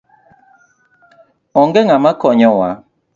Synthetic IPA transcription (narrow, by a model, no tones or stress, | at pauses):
ɔŋɡɛŋamakɔɲɔwa